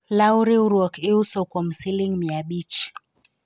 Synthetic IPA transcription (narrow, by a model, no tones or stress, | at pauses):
lauɾiɾɔkiusɔkwɔm̩siliŋmiaɓit͡ʃ